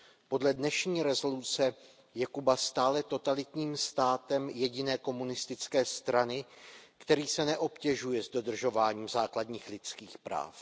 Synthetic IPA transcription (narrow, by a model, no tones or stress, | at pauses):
po̞dlɛdnɛʃɲiːɾɛzo̞lut͡sɛ | jɛkubast̪aːlɛt̪o̞t̪alɪt̪ɲiːmst̪aːt̪ɛmjɛɟɪnɛːko̞munɪst̪ɪt͡skɛːst̪ɾanɪkt̪ɛɾiːsɛnɛʔo̞pcɛʒujɛzdo̞d̪r̩ʒo̞vaːɲiːmzaːkladɲiːxlɪt͡skiːxpɾa̰ːf